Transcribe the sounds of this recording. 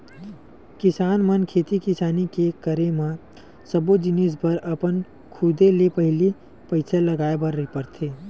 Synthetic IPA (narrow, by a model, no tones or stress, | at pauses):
kɪsaːnmənkʰeːt̪ikɪsaːnikekəɾemã | səbod͡ʒɪnispəɾəpən | kʰʊd̪elepəɦɪli | pəɪsʰaləɡaːebəɾːəipəɾt̪ʰeː